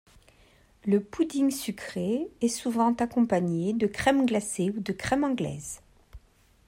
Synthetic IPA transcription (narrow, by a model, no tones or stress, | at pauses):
ləpud̪iŋsykχeɛsuvɑ̃t̪akɔ̃paɲed̪əkχɛmɡlaseud̪əkχɛmɑ̃ɡlɛ̰z